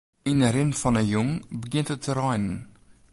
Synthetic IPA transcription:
inəɾɪnfɑnəjʊŋbəɡɪnthətːəɾɑjnən

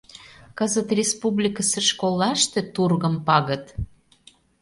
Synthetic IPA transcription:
kəzət̪rʲespublʲikəsĕʃkolːɑʃt̪ĕt̪urɣə̆mpɑɣə̆t̪

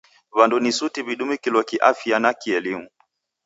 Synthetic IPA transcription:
βandunisutiβiɗumikilɔkiʔafianakiɛlimu

